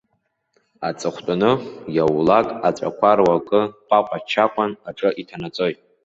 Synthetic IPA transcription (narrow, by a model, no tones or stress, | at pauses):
at͡sʼɨχʷtʼʊnɨjawlakʼat͡ʃʷʼa̰kʷʰarwakʼɨpʷʼaqʷʼat͡ʃʰaqʷʼanaʈ͡ʂʼɨʔitʰanat͡sʼo̞jtʼ